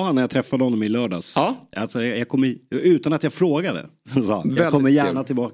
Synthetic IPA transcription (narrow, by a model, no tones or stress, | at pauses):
hanːæɾjat̪ʰɾɛfːad̪əhɔnːɔmɪlœːɖɑːsalsɔjjaɡkʰɔmːəʔʉ̟ːt̪anat̪jafɾoːɡad̪ə̰sɔsɑ̰ːjaɛɡkɔmːəɾjæːɳat̪ʰɪlbɑː